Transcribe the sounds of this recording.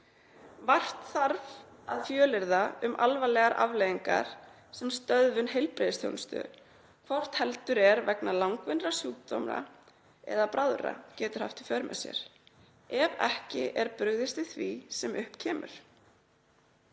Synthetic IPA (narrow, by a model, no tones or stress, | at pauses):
var̥t̪θaɾv | aðfjœːlɪɾðaʏmʔalvalɛɣaɾʔavlejðiŋka̰ɾ̥ | sɛmst̪œðvʏnhejlpɾɪːðɪst̪ʰjɔ̰wnst̪ʏ̰ | kʰvɔr̥t̪hɛlt̪ʏɾɛɾvɛknalawŋkvɪnrasjuːk̚t̪ɔ̰mɾa̰ | ɛ̰ðapɾʔaðɾa̰cɛːt̪ʏɾhaft̪i̥fœɾmɛ̰sjɛ̰ɾ̥ | ɛvɛhcɪʔɛɾpʏɣðɪst̪ɪθvisɛmʔʏhpcʰɛːmʏ̰ɾ̥